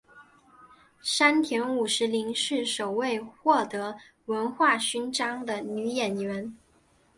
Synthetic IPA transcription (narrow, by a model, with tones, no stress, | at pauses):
ʂa˥nt̪ʰjɛ˧˥nu˨˩ʂɻ̩˧˥li˧˥ŋʂɻ̩˥˩ʂo˨˩ʊwe˥˧ɪxwɔ˥˩t̪ɤ˧˥ | wə˧˥nxwa˥˩ɕy˥nʈ͡ʂɑ˥ŋd̪ə˨ny˧˥jɛ˨˩nɥɛ˧˥n